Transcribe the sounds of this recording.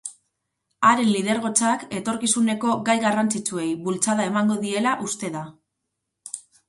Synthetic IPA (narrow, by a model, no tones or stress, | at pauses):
aɾe̞nliðe̞ɾɣ̞o̞t͡sake̞t̪o̞ɾkisune̞ko̞ɡajɣarant͡sit͡sue̞jβult͡saðae̞maŋɡo̞ðie̞laʔust̪e̞ða